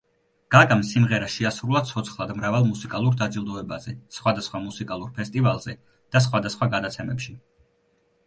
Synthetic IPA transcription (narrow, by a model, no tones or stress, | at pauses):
ɡ̥aɡamsimʁɛɾaʃiasɾulˠad̪̚tsʰɔt̪sʰχlˠad̪mɾavalˠmusikʼalˠuɾd̪ad̪zilˠd̪ɔɛbazɛsχwad̪asχwamusikʼalˠuɾpʰɛst̪ʼivalˠz̥ɛ | d̪̥as̬χwad̪asχwaɡad̪at̪sʰɛmɛpʃi